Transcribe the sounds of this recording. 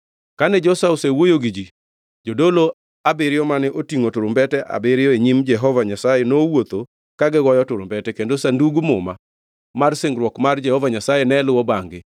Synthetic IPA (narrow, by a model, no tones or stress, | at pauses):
kanɛd͡ʒɔsaosewojoɡid͡ʒi | d͡ʒodolo | abɪɾɪjɔmanɪʔotiŋotʊɾʊmbɛtɛʔa̰bɪɾɪjɔeɲimd͡ʒɛɦɔvaɲasajɛnowot̪o | kaɡɛɡɔjɔtʊɾʊmbɛtɛkendosanduɡumʊma | marsɪŋɡɾwɔkmard͡ʒɛhɔvaɲasajɛnɛlʊwɔbaŋɡɪ